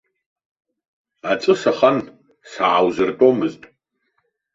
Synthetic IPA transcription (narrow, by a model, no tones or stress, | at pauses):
at͡sʼɨsaχan | saʕawzɨrtʼo̞mɨztʼ